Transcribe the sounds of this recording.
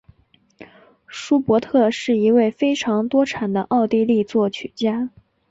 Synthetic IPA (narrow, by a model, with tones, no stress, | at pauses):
ʂu˥pwɔ˧˥t̪ʰɤ˥˧ʂɻ̩˥˩i˧˥we˥˩ɪfe˥ɪʈ͡ʂʰɑ˧˥ŋt̪wɔ˥ʈ͡ʂʰa˨˩nd̪ə̰˦ʔɑ˥˧ʊt̪i˥˧li˥˧t͡swɔ˥˩t͡ɕʰy˨˩t͡ɕja˥